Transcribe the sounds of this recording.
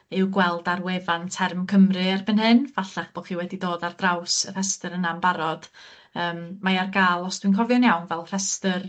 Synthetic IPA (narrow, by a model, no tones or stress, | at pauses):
ɪwɡwɛlˠdarwevantʰɛrmkʰəmrɨarbənɦɨnvaɬaχb̥ɔχiwɛdidoːdard̥rawsər̥ɛstəɾənambaɾɔd̥ | əːmmajarɡaːlˠɔsd̥winkʰɔvjɔnjawnvɛlˠr̥ɛstər